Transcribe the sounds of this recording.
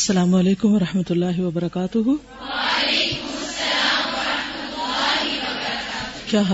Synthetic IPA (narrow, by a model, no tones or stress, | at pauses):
ɐsːɐlaːmʊɐleːkʊmʋɐɾɐħmɐt̪ʊlːaːɦɪʋɐbɐɾɐkaːt̪ʊɦu | lekʊmɐsːɐlaːmɐɾɐhmɐt̪ʊlːaːɦiɐaɾkaːt̪kjaːɦɐ